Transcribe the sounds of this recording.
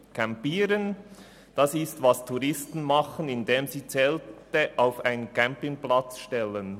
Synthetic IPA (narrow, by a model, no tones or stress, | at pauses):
kʰɛmpiːɾən | d̥ɑsɪstvɑstʰuɾɪstn̩mɑχənɪndeːmziːt͡sɛːltəʔaʊfaɪnənkʰɛmpɪŋplɑt͡sʃtɛlən